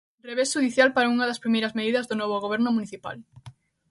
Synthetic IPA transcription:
reβesʃuðiθjalpaɾauŋɐðɐspɾimejɾɐzmeðiðɐzðʊnɔβ̞oɣoβ̞ɛɾnʊmuniθipa̰l

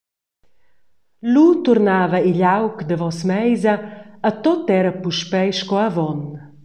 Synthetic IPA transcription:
lut̪uɾnaːvɐiʎawkd̪əvɔsmɛjzɐat̪ɔt̪ːɛɾɐpuʃpɛjʃkɔavɔn

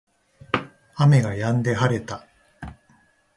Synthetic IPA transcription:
ame̞ɡajãnd̪e̞ɦaɾe̞t̪a

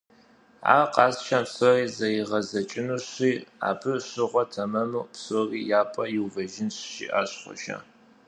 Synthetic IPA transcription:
a̰ːqʼɑːsʃanpsoriːzɐjɪʁɐzɐt͡ʃʼɪnuːɕiːa̰ːpʰɨɕɪʁʷɔtʰɐmɐmɨpsoriːjaːpʼɐjɪwvɐʒɪnɕʃḭːʔaːɕχʷɔ̰ʃɐ̰

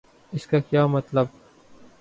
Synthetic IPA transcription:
ɪskaːkjaːmɐt̪ləb̚

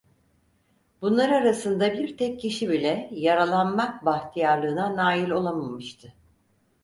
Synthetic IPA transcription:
bunlˠaɾaɾasɯnd̪abiɾt̪ʰɛcːʰiʃibilʲɛjaɾalˠanmak̚baxt̪ʰijaɾlˠɯːnanaːilʲo̞lˠamamɯʃt̪ʰɯ

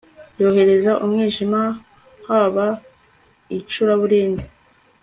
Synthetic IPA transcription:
jo̞ːhe̞ɾe̞zaʔumŋiːʒima | haβa | it͡ʃuɾaβuɾiːndi

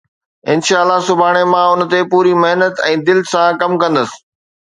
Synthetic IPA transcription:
ɪnʃaːəlːasʊbʱaːɽ̃emãʊn̆t̪epuːɾimɐɦnət̪ɛ̃ːd̪ɪlsãkɐmkɐ̃nd̪əsɪ̥̆

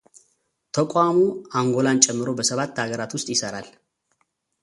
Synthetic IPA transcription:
t̪ʰəkʼamuaŋɡo̞lant͡ʃʼɛmːɨɾo̞bəsəβat̪ːhaɡəɾat̪wʊst̪ʼjɪsəɾal

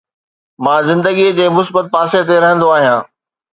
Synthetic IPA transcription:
mãːzɪ̃nd̪əɡid͡ʑeːmʊsbət̪̚paːset̪̬eɾɐɦə̃nd̪oaːɦijãː

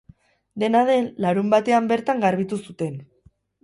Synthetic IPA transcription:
d̪e̞nað̞e̞nlaɾumbat̪e̞ambe̞ɾt̪aŋɡaɾβ̞it̪usut̪e̞n

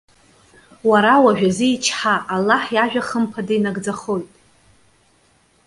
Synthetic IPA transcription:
waɾawaʒᶣazɨit͡ʃʰħaʔalːaħjaʒᶣaχəmpʰadejnaɡd͡zaχo̞jtʼ

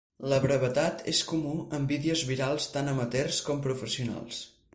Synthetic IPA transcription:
ləβɾəβət̪at̪ʰḛskumuəmbiðiəzβiɾalˠst̪anəmət̪erskɔmpɾufəsiuna̰lˠs

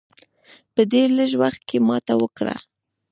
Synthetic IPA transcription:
pəd̪eləʒwaxt̪̚kemɑt̪awəkɽa̰

